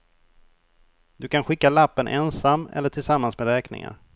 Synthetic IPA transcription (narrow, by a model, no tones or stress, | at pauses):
d̪ɵkʰanɧɪkːalapːənʔɛnsamːɛ̰lːəʈʰɪlsamːansmeːd̪ɾɛːknɪ̰ŋa̰ɾ